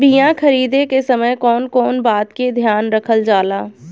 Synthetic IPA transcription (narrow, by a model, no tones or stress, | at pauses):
bijãkʰɐɾiːd̪ekesɐməjkɔːnkɔːnbaːt̪ked̪ʱjaːnɾɐkʰəld͡ʒaːlaː